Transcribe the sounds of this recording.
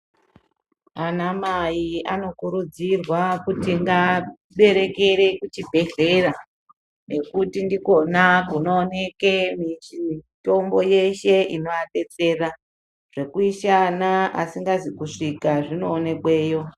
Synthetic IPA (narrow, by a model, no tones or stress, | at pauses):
anamajiano̞kuɾud͡zirwakutiŋɡa | ɓe̞ɾe̞ke̞ɾe̞kut͡ʃibʱe̞ɮe̞ra | nʔe̞kutindiko̞nakuno̞ːne̞kemito̞mbo̞je̞ʃe̞ino̞jaɓe̞t͡se̞ra | ʐ̥e̞kuiʃanaasiŋɡazikuʂikaʐino̞ːne̞kwe̞ːjo̞